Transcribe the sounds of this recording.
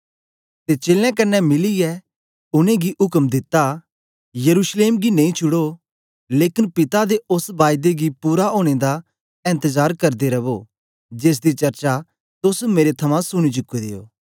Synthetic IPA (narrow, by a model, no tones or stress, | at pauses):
t̪et͡ʃeːlɛ̃kɐnːɛmɪlijɛ | ʊnẽɡiʔɦʊkəmd̪ɪt̪ːa | jɐɾuːsleːmɡinɐ̃ĩt͡ʃʰʊɽo | leːkɪnpɪt̪ad̪eʊsbaːjd̪eɡipuːɾaɦoːɽ̃ed̪a | ɪ̃nt̪əzaːɾkɐɾd̪eɾɐʋo | d͡ʒeːs̬d̪it͡ʃɐɾt͡ʃa | t̪ʊsmeːɾet̪ʰɐmãsʊɽ̃it͡ʃʊkːed̪ḛːo̰ː